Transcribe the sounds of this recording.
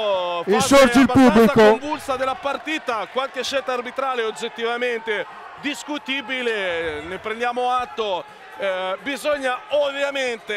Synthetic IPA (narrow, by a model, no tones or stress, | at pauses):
fisoɾd͡ʒilbapuablisakoɱvulsad̪elːapart̪iːt̪akwalk̟eʃːelt̪aːrbit̪ɾaːleod͡ʒet̪ːivament̪e | d̪iskut̪iːbilenepɾẽnd̪jaːmoat̪ːo | bizoɲːaovjament̪e